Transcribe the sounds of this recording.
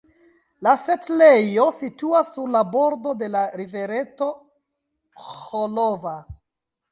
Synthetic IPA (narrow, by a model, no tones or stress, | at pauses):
lasetlejo̞situasːuɾlabo̞ɾdo̞de̞laɾive̞ɾe̞to | xolova